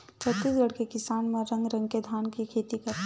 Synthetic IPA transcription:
t͡ʃʰət̪isɡəɽkekɪsaːnmẽɾɐ̃ŋɡɾɐ̃ŋɡked̪ʱaːnkikʰeːt̪ikɐɾ

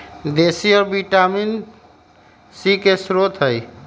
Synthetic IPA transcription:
d̪esiɔːɾbiʈamin | sikesɾot̪ɦəj

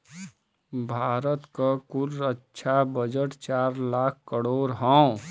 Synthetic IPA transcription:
bʱaːɾət̪kəkuɾətːt͡ʃʃʰabəd͡ʒəʈt͡ʃaɾlakʰkəɽoːɾɦɔ̃

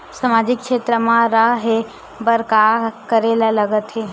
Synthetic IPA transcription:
samaːd͡ʒɪkːʃeːt̪ɾəmãɾaɦe | bəɾkakəɾeːlalɐɡət̪ɦe

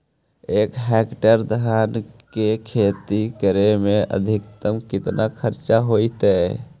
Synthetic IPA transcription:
ekɦɛkʈəɾd̪ʱankekʰet̪ikəɾemeə̰d̪ʱikt̪əmkit̪nʔakʰəɾt͡ʃaɦojt̪ɛ

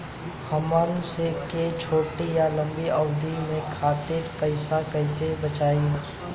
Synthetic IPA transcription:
hɐmənseket͡ʃʰoːʈijalɐ̃mbiɐʊd̪imẽkʰaːt̪ɪɾpəɪsakɐɪsebət͡ʃaːi

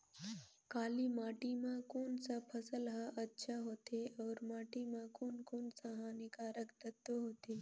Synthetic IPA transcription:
kaːlimaːʈimãkoːnsapʰəsəlɦaʔətːʃʰaɦoːt̪eɔːɾmaːʈimãkoːnkoːnsaɦanikaɾəkt̪ət̪ːoɦoːt̪eː

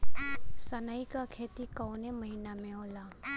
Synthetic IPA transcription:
sənəikakʰeːt̪ikɔʊnemɐɦiːnamẽɦoːlaː

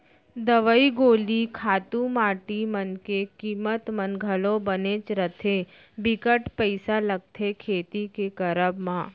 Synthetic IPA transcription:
d̪əʋəiɡolikʰat̪ũmaʈimənkekimət̪mənɡʱəlobənet͡ʃɾət̪ʰe | bikəʈpəjsaləɡ̚t̪ʰekʰet̪ikekəɾəbmã

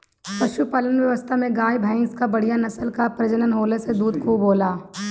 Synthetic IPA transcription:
pɐʃupɐlənʋjɐʋəst̪ʰamẽɡaːjbʱə̃ːɪ̃ŋskabɐɽ̤ijanɐsəlkapɾɐd͡ʒənənɦoːlesed̪uːd̪̚kʰuːboːlaː

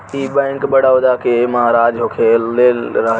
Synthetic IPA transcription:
iːbə̃ŋkbəɽaʊd̪akʰeməɦaɾaːd͡ʒɦokʰeleːɾəɦ

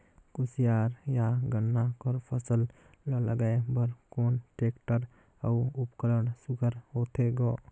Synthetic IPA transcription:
kusijaɾjaɡənːakɔɾpʰəsəl | lːɔləɡaebəɾkonʈekʈəɾ | auupkəɾəɳsuɡʱəɾɦot̪ʰeɡɔ

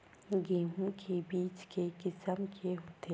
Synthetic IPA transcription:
ɡeːɦũkʰebiːt͡ʃkekɪsəmkʰeɦʊt̪ʰe

